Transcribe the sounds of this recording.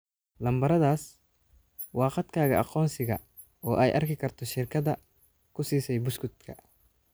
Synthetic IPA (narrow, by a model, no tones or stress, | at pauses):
lɐmbɐɾɐðaːs | wɑːqɑd̪kʰaːɣɐɑ̰qɔːnsɪɣɐ | ɔːʔɛjʔɐ̰rkɪkʰɐrt̪ʰɔʃɪrkʰɐðɐ | kʰʊsiːsɛjbʊskʊd̪kʰɐ